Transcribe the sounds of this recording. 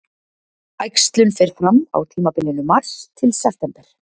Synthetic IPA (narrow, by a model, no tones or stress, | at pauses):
ajkst̪lʏnfejɾ̥fɾamːa̰wt̪ʰiːmapɪlːɪnʏmar̥st̪ʰɪlsɛft̪ɛmpɛɾ̥